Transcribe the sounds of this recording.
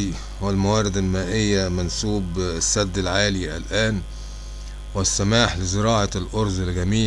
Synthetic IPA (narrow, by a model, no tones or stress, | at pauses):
i | wwɪlmawæːɾɪd̪ɪlmæːʔɪjːæmænsuːbsːæd̪ːɪlʕaːliʔæ̰lʔæːn | wɪsːæmaːħlɪzɪɾɑːʕɑlʔoɾzˤɪlɡæmiː